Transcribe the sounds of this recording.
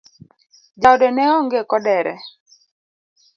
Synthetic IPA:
d͡ʒawdɛnɛɔŋɡekɔdɛɾɛ̰

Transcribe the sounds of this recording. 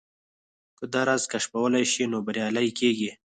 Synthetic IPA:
kəd̪ɑɾɑzkaʂpawəlajʃinobaɾjɑlajikeɡi

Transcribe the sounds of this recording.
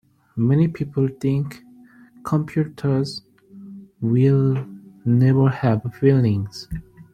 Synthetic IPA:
mɛnipʰipʰəl̩ˠθɪ̃ŋkʰ | ɔ̃mpʰj̥utʰə˞z | wɪl | nɛvə˞hævfilɪ̃ŋz̥

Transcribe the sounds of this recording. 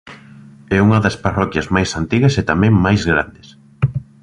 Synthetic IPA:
ɛuŋɐðɐsparɔkjɐzmajsant̪iɣɐset̪amɛ̃ŋmajzɣɾa̰nd̪ɪs

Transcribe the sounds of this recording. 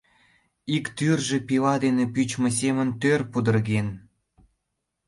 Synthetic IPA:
ikt̪yrʒĕpilɑd̪enepyt͡ɕmɤs̬emənt̪ørpud̪ərɣen

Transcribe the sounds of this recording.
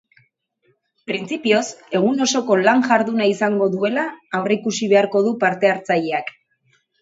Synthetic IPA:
pɾint͡sipio̞se̞ɣ̞uno̞so̞ko̞laŋʝaɾðunaisaŋɡo̞ðue̞laːwreikusiβ̞e̞aɾko̞ð̞upaɾt̪e̞aɾt͡sajeak

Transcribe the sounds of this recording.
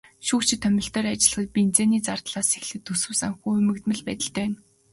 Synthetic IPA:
ʃuːkt͡ɕʰɪ̆t̪ʰːœmʲɪ̆ɬt̪œːrat͡ɕɪ̆ɮ̆χə̆t̪̚pint͡seːniːt͡sart̪ɮaːsexɮɘ̆t̪ʰːɵsɘ̆wsaŋxuːɵmɘ̆kt̪mɘ̆ɮpæ̰ːt̪ʲɪ̆ɬt̪œːjʊn

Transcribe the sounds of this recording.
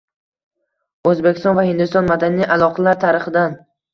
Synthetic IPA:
ɵzbekʲʰɪst̪ɒnvahɪnd̪ʊst̪ɒnmad̪anijʔalˠɒqʰɑlaɾt̪ʰaɾɪχɨd̪an

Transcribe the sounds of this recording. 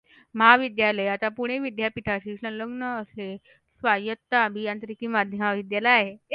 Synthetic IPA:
məɦaʋid̪jaləjat̪apuɽ̃eʋid̪japit̪ʰaɕiʂənləɡnəːse | sʋajət̪ːabʱijãnt̪ɾikiːmad̪ʱjəmaʋid̪jaləjaɦe

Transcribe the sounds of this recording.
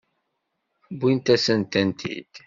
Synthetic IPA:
bint̪æsənt̪ænt̪ʰḭd̪̥

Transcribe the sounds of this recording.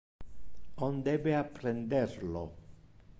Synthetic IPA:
ond̪ɛbeapːɾend̪eɾlo̰

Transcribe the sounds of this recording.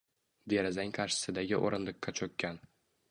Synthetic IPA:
d̪eɾazaŋʲkʰɑɾʃɪ̥sɪd̪aɡʲɪʔo̰ɾɪnlɪqːat͡ʃʰɵkʲːan

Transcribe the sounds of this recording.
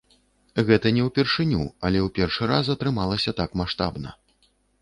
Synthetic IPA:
ɣɛt̪ɐnʲɛwpʲɛrʂɨnʲuɐlʲɛwpʲɛrʂɨɾasɐt̪ɾɨmalˠɐsʲɐt̪akmaʂt̪a̰bnɐ̰

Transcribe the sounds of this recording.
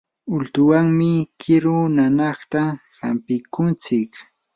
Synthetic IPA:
ʊlt̪ʊwaŋmɪkʰɪɾʊnanɑχt̪ahampɪkʊnt͡sɪk

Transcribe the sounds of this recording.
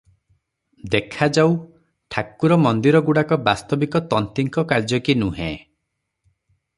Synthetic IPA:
d̪ekʰad͡ʒaw | ʈʰakuɾɔmɔnd̪iɾɔɡuɽakɔbast̪ɔbikɔt̪ɔnt̪iŋkɔkaɾd͡ʒɔkinuɦḛ̃

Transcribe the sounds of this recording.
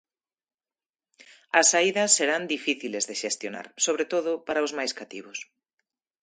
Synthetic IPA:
ɐsaiðɐsːeɾand̪ifiθilezðeʃest̪jona̰ɾsoβ̞ɾet̪oðʊpaɾaʊzmajskat̪ḭβʊs

